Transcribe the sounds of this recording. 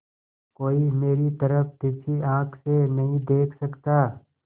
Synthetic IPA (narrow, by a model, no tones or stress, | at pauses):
koːimeːɾit̪ɐɾəfd̪ɪsiãːkʰsenɐɦĩd̪eːkʰsɐkt̪aː